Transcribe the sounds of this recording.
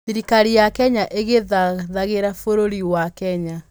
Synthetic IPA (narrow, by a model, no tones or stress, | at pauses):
iɾikaɾijakɛɲaʔeɣeðaðaɣeɾafoɾoɾiwakɛɲa